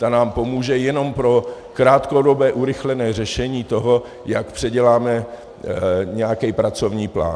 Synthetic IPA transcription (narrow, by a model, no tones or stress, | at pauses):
t̪anaːmpo̞muːʒɛjɛno̞mpɾo̞ | kɾaːt̪kodo̞bɛːʔuɾɪxlɛnɛːr̝ɛʃɛɲiːt̪o̞ɦo̞ | jakpr̝̥ɛɟɛlaːmɛ | ɲɛjakɛjpɾat͡so̞vɲiːpla̰ːn